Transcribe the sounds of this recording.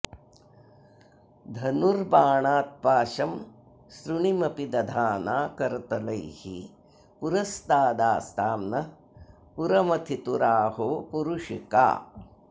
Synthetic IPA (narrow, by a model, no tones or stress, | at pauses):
d̪ʱɐnuɾbaːɳaːt̪̚paːʃɐm | sɾuɳimɐpid̪ɐd̪ʱaːnaːkɐɾt̪ɐlɐjhḭ | puɾɐst̪aːd̪aːst̪ʰaːmnɐ | puɾɐmɐt̪ʰit̪uɾaːhopuɾuʃika̰ː